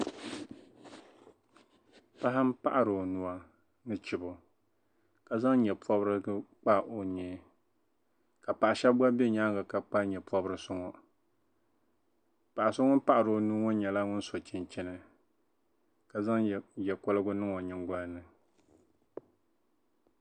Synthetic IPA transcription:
pa˦ɦa˦m̩˦pa˦ʔa˨ɾo˨nu˨a˦ | nɨ˦t͡ʃi˨bʊ˨ | ka˨za˦ŋɲɛ˨pɔ˦bɾɨ˦ɡɨ˦k͡pa˦ʔo˨ɲɛ˨ | ka˨pa˨ʔa˨ʃɛ˦bba˦bɛ˦ɲa˦ŋ˦ɡa˨ka˨k͡pa˦ɲɛ˨pɔ˦bɾɨ˦sʊ˦ŋɔ˦ | pa˨ʔa˨sʊ˦ŋɔ˦n˦pa˦ʔa˨ɾo˨nu˦ŋo˦ɲɛ˨la˦ŋʊ˦n˦so˨t͡ʃɪ˨nt͡ʃɛ˦nɨ˨ | ka˨za˦ŋ˨jɛ˨ko˦lɨ˦ɡʊ˦nɨ˦ŋo˨ɲɪ˨ŋ˦ɡa˦lnɨ˨

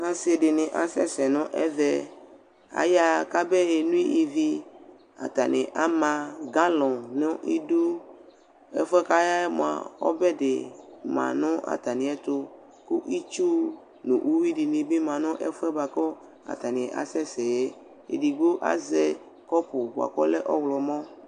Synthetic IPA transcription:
nã˦se˨ɖɪ˨nɪ̃˨ʔa˨sɛ˦sɛ˨nʊ̃˦ʔɛ̰˦vɛ˦ | a̰˨ja˦ka˦bɛ˦je˨nũ˦i˦ʔi˨vi˦ | a̰˨t̪a˨nɪ̃˨ʔa˦mã˨ɡã˦lɔ̃˨nʊ̃˦ʔi˦du˦ | ɛ̰˦fɛ˦ka˦ja˦ɛ˦mõ˨a̰˨ɔ̰˦bɛ˦dɪ̰˨mã̰˨nɔ̃˦ʔa̰˨t̪a˨nĩ˨ɛ˦t̪o˦ | ku˦ʔi˦t͡ʃu˦ | nṵ̃˨ʔu˦wi˦ɖi˨nĩ˨be˦mã˨nɔ̃˦ʔɛ˦fɛ˦ba˨kɔ˦ | a̰˨t̪a˨nẽ˨ʔa̰˨sɛ˦sɛ˨jɛ˦ | ḛ˨ɖi˨ɡo˦ʔa̰˦zɛ˦ | kɔ˦po˨bo˨a̰˨kɔ˦lɛ˦ʔɔ˦wlɔ˨mɔ̃˦

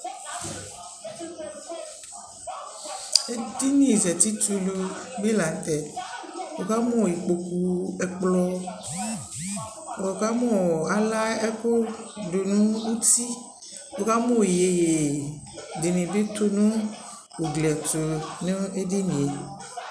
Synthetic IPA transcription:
e˦di˦nĩ˨zɛ˨t̪i˦t̪u˦lu˨ɡ͡be˦la˨n˨t̪ɛ˨ | wo˨ka˦mɔ̃˦˨i˨k͡po˨ku˨ɛ˨k͡plɔ˦ | wo˨ka˦mɔ̃˦˨a˨la˦ɛ˦ko˦do˨nũ˦u˦t̪i˦ | wo˨ka˦mõ˦˨je˨je˨ | de˨nẽ˨be˦t̪o˦nũ˦ | wo˨ɡlɛ˨t̪o˨nẽ˦e˦di˦nĩ˨e˨

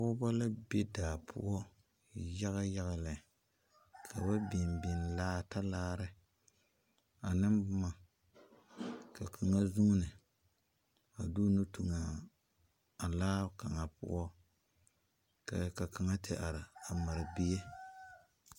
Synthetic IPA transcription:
ʊ˦ba˦la˦be˦daː˨pʰʊ̰˦ʔɔ˦ | ja˦ɣa˦ja˦ɣa˨la˨ | kʰa˨ba˦bi˨mbɪ˨nlaː˦ta˦laː˦ɾɨ˦ | a˨nɨ˦mbma˨ | ka˨kʰa˨ŋa˦zu˦ŋ˦nɨ˨ | a˨du˦nu˦tu˨ŋa˨ | a˨laː˦ka˨ŋa˨pʊ̰˦ʔɔ˦ | ka˨ka˨ka˨ŋa˦tɪ˦ʔa˨ɾɪ˨a˨ma˨ɾɨ˨bi˦je˦

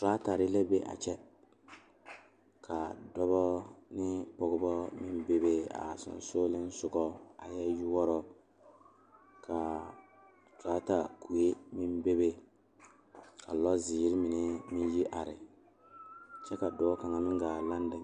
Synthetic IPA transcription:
taː˦ta˨ɾɪ˦lɛ˦be˦ʔa̰˨t͡ʃɛ˦ | kʰa˨dɔ˦βɔ˦nɪ˦pɔ˨ɡʊ˦bɔ˦mɪ˦mbe˦be˦a̰˨sɔ̰˨n˨soː˦lɪ˦n˦sʊ˨ɡɔ˦a˨jɛ˦ju˦wɔ˦ɾɔ˦ | kʰa˨ | taː˦ta˨ku˨e˦mɪ˦mbe˦be˦ | ka˨lɔ˦zi˨˦ɾɪ˦mɪ˨nɪ˦mɪ˦n˦ji˦ʔa˨ɾɪ˨ | t͡ʃɛ˦ka˨dɔ˨ɔ˦ka˨ŋa˨mɪ˦ŋ˦ɡaː˨la˦n˦da˨

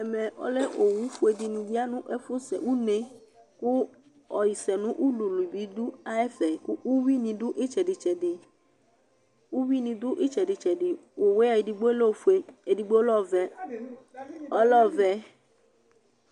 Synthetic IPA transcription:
ɛ˨me˨ɔ̰˦le˦ʔo˨wũ˨˦fu˦e˨di˨nĩ˨d͡ʒi˦a˦nũ˦ʔe˦fu˦sɛ̰˨wu˦ne˨ | ku˦ | ɔ˨ji˨sɛ˨nũ˦ʔu˦lu˨lu˨bi˨˦du˦a˦ɛ˦fɛ˨ku˦ʔu˦wi˦nĩ˨dʊ˦ʔi˦t͡ʃɛ˨dɪ˨t͡ʃɛ˨dɪ˨ | u˦wi˦nĩ˧dʊ˦ʔi˦t͡ʃɛ˨di˨t͡ʃɛ˨dɪ˨wo˨we˦a˨ji˨di˨ɡ͡bo˦lo˦˨fu˨˦e˨e˨di˨ɡ͡bo˦lɔ˦˨vɛ˨ | ɔ˦lɔ˦˨vɛ˨

